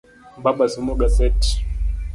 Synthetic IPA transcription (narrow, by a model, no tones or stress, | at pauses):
baɓasumɔɡasɛt